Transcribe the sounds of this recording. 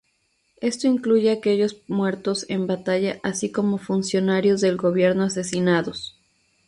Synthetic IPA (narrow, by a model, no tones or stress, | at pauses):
e̞st̪o̞iŋkluʝe̞ake̞ʝo̞zmwe̞ɾt̪o̞se̞mbat̪aʝaʔasiko̞mo̞funsjo̞naɾjo̞zðe̞lɡo̞βje̞ɾno̞as̬e̞sinaðo̞s